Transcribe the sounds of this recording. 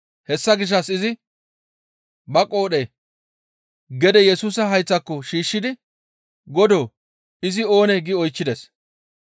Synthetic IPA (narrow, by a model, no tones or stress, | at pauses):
hɛsːɐɡɪʃ̬ːɐsɪzɪ | bɐkʼːo̞ːɗe | ɡɛd̪ɛjɛsuːsɐɦɐjt͡sːɐkːɔʃiːʃːɪd̪ɪ | ɡɔd̪o̞ː | ɪzɪo̞ːnɛɡɪɔjt͡ʃːɪd̪ɛs